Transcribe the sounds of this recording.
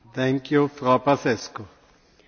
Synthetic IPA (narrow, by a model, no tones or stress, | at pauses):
t̪ʰɛ̃ŋkjufɾapasɛsko